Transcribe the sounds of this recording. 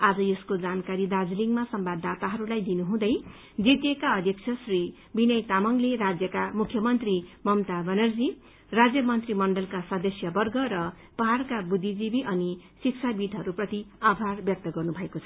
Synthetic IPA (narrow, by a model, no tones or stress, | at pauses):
ad͡zʌjeskod͡zankaɾid̪ad͡zliŋɡmasʌmbad̪ːat̪aɦʌɾulajd̪inuɦũd̪ʌj | d͡zit̪jekaʌd̪ʱjʌk̚t͡sʰʌsri | binʌjt̪amʌŋleɾad͡zjʌkamukʰjʌmʌnt̪rimʌmt̪abʌnʌrd͡zi | rad͡zjʌmʌnt̪rimʌɳɖʌlkasʌd̪ʌsjʌbʌrɡʌɾʌ | pʌɦarkabud̪ʱːid͡zibiʔʌnisiksʰabid̪ʱɦʌɾuprʌt̪iabʱarbjʌk̚t̪ʌɡʌrnubʱʌekot͡sʰʌ̥